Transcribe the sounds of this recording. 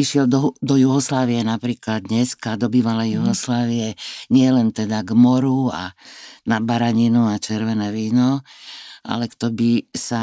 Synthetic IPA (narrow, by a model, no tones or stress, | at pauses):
iʃɪɛld̪ɔd̪ɔjuɦɔslaːʋiɛnapɾiːklad̪ɲɛskad̪ɔbiːʋalɛjuɦɔslaːʋiɛɲɪɛlɛnt̪ɛd̪aɡmɔɾua̰nabaɾaɲinuat͡ʃɛɾʋɛnɛːʋiːnɔ | ʔa̰lɛkt̪ɔbisa